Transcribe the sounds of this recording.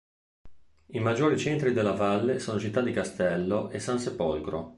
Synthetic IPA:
imad͡ʒːoːɾit͡ʃent̪ɾid̪elːavalːesoːnot͡ʃit̪ːad̪ikast̪ɛlːoʔesansepolkɾo̰

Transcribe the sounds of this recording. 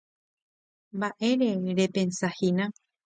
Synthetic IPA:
mbaʔe̞ɾe̞ɾe̞pe̞nsahinã

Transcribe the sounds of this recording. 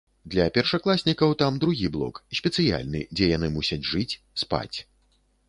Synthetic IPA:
d̪lʲɐpʲɛrʂaklˠasʲnʲikɐwt̪amd̪ɾuɣʲiblˠɔ̰ksʲpʲɛt̪sɨja̰lʲnɨ̰d͡zʲɛjanɨmusʲɐd͡zʲʐɨt͡sʲ | spa̰t͡sʲ

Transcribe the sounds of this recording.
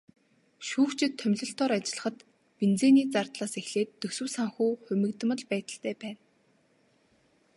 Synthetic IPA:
ʃuːxt͡ɕʰɪ̆t̪ʰːœmʲɮɞ̆ɬt̪ʰɔːɾat͡ɕɪ̆ɮə̆χə̆t̪ | pent͡seːniːt͡sart̪ɮaːsexɮeːt̪ːɵsɘ̆wsaŋxuːxɵmʲɘ̆kt̪̆mə̆ɮpæːt̪ə̆ɬt̪ʰæːpæːn

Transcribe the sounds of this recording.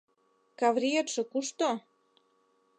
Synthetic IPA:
kɑvɾʲijet̪ʃɤ̆kuʃt̪o

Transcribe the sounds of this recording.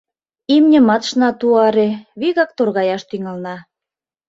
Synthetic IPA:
imnʲɘ̆mɑt̪ʃnɑt̪uɑɾeβiɣɑk̚t̪orɣɑjɑʃt̪yŋɑlnɑ

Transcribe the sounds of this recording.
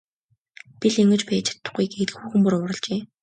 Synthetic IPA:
pʲiɮeŋɡɘ̆t͡ɕpæːt͡ɕʰḁt̪ːʊ̥̆χɡiːkeɾɘ̆xuːxɘ̆mpuɾʊɾə̆ɮt͡ɕeː

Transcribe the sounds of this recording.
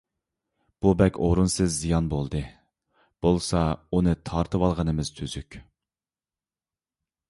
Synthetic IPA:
b̥ubɛkʲoɾunsɨzːijɑnbolˠd̪ɨ | b̥olˠsɑunɨt̪ʰɑɾt̪ʰɨwɑlˠʁənɨmɪz̥t̪ʰyz̥ykʲ

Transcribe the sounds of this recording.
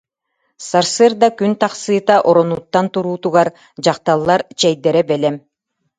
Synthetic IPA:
saɾsɯɾd̪akynt̪aqsɯːt̪aʔɔɾɔnut̪ːant̪uɾuːt̪uʁaɾ | d͡ʑɑqt̪alˠːaɾt͡ɕɛjd̪ɛɾɛbɛlɛm

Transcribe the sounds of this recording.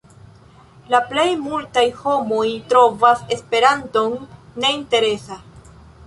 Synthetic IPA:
laple̞jmultajho̞mo̞jtɾo̞vase̞spe̞ɾanto̞nːe̞inte̞ɾe̞sa

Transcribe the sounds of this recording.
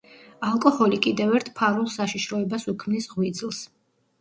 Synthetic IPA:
alˠkʼɔhɔlikʼid̪ɛvɛɾt̪ʰpʰaɾulˠsaʃiʃɾɔɛbasukʰmnisʁwid̪zlˠs

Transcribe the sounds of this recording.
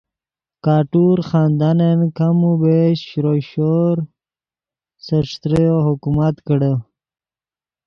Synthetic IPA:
kaːʈuɾxɑːnd̪anenkamubeɕɕɾoɕoɾ | səʂt̪ɾəjoɦukumat̪kəɽə

